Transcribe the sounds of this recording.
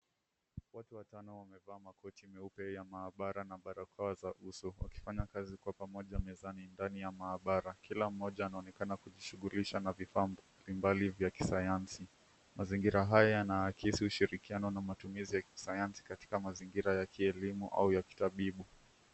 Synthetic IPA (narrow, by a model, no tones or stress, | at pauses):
watuwatanɔwamɛvaːmakɔtimɛupɛjamaːɓaɾanaɓaɾakʰawazaʔusɔwa̰ki̥faɲakazikwapamɔʄamɛzanindanijamaːɓaɾakilam̩ːɔʄaːnaɔnɛkanakuʄiʃuɣuliʃanavifaːmb | limbalivjaki̥sajansi | maziŋɡiɾaɦajajanaːkisiuʃiɾikianɔnamatumizijaki̥sajansi̥kati̥kamaziŋɡiɾajakʰiɛlimṵʔa̰ujaki̥taɓiɓu